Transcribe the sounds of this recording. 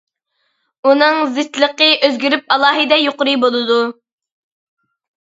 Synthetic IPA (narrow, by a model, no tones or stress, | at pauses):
unɨŋzɪt̪lˠəqəʔøzɡʲyɾyp̚ɑlˠɑːɦɨd̪ɛjoqʊɾɨbolˠɨd̪u